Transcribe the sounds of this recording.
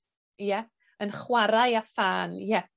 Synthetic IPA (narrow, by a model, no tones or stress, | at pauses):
jɛ | ənχwaɾajafaːnjɛ